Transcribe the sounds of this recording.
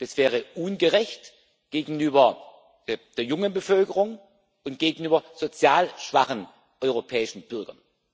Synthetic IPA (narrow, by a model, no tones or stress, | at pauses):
d̥asv̥ɛːʁ̞əʔuːnɡəʁɛçt | ɡ̥eːɡŋ̩yːbɐ | d̥eːɐjʊŋənbəfœlkəʁʊŋ | ʊntɡ̥eːɡŋ̩yːbɐz̥ot͡sjaːlʃv̥aχən | ʔɔʏʁopʰɛːɪʃn̩b̥ʏɐɡɐ̰n